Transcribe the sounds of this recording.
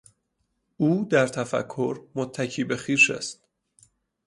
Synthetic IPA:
ʔuːd̪æɾt̪ʰæfæ̰kʰːoɾmot̪ʰːæcʰiːbe̞xiːʃḛst̪

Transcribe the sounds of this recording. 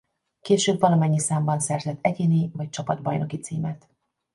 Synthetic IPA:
keːʃøːbvɒlɒmɛɲːisaːmbɒnsɛrzɛt̪ʰːɛɟeːnivɒc̚t͡ʃɒpɒd̪bɒjno̞kit̪siːmɛt̪

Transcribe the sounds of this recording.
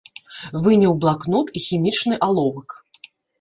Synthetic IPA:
vɨnʲiwblˠaknut̪ixʲimʲit͡ʂnɨʔalˠɔvɐk

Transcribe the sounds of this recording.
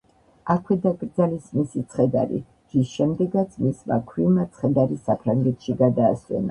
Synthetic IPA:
akʰwɛd̪akʼɾd̪zalismisit̪sʰχɛd̪a̰ɾḭ | ɾisʃɛmd̪ɛɡat̪sʰmisma̰kʰwimat̪sʰχɛd̪aɾisapʰɾaŋɡɛt̪ʰʃiɡad̪aːswɛ̰na̰

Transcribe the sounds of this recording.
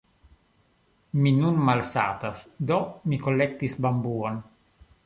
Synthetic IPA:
minunmalsa̰ːt̪asd̪omikolːek̚t̪ːisbambuːon

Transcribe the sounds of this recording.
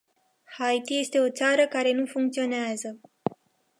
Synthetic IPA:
hajt̪ije̞st̪e̞o̞t̪saɾəkaɾe̞nufuŋkt̪sio̞neazə

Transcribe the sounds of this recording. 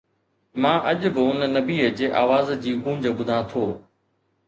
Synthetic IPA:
mãːʔɐʄbɪʊnnɐbiːəd͡ʑeːʔaːʋaːzd͡ʑiːkũːɲd͡ʑəbʊd̪ʱãːt̪ʰoː

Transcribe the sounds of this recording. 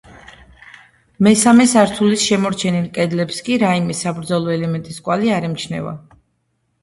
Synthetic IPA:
mɛsamɛsaɾt̪ʰulisʃɛmɔɾt͡ʃʰɛnilˠkʼɛd̪lɛpskʼiɾaimɛsabɾd̪zɔlˠɔɛlɛmɛnt̪ʼiskʼwaliaɾɛmt͡ʃʰnɛ̰va̰

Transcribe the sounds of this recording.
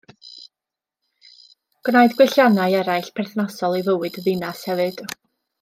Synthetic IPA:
ɡ̥naɨjdɡwɪɬjanajɛɾajɬpʰɛrθnasɔlˠivəwɨdəðɨnashɛvɨd̥

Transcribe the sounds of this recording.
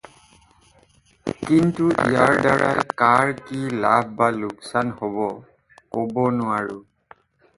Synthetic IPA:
kintuʔijaɹdaɹa̰jkaɹkilab̚ʱbalʊksanhoβɔ | kobɔnʊaɹʊ

